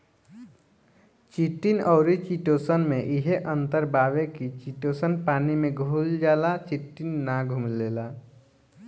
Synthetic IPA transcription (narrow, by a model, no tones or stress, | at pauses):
t͡ʃiʈːinɔːɾit͡ʃiʈoːsənmẽʔiɦeʔənt̪əɾbaːʋekit͡ʃiʈoːsənpaːnimẽɡʱuːld͡ʒaːlat͡ʃiʈːinːaɡʱumleːla